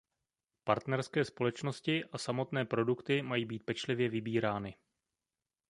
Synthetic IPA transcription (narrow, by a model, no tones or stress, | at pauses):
paɾt̪nɛɾskɛːspo̞lɛt͡ʃno̞scɪʔasamo̞t̪nɛːpɾo̞dukt̪ɪmajiːbiːt̪̚pɛt͡ʃlɪvjɛvɪbiːɾaːnɪ